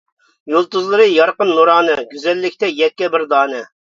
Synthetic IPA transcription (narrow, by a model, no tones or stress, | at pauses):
jolˠt̪uzlˠɨɾɨjɑɾqənːuɾɑːnɨɡʲyzɛlːɪkʲt̪ʰɛjɛt̪̚kʲːɛbɪɾd̪ɑːnɛ